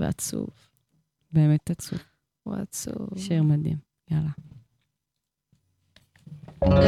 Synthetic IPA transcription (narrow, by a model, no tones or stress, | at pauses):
vḛa̰t͡sṵv | beemetat͡sṵv | ua̰t͡sṵvʃeʁmad̪ḭm | jala